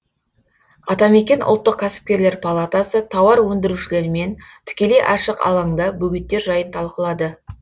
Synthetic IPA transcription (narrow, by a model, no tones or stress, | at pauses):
ɑt̪ɑme̞kʲe̞nʔʊ̰lˠt̪ːəq̚kʲʰæsɪ̥p̚kʲe̞ɾle̞ɾpʰalˠat̪asət̪ʰɑwɑɾwɵnd̪ɪɾuʃɪle̞ɾɪme̞nt̪ʰɪ̥kʲe̞le̞jʔɑʃəqɑ̰lˠɑŋd̪ɑbɵɡʲɪt̪ːe̞ɾʒɑjənt̪ʰɑlˠqəlˠɑd̪ə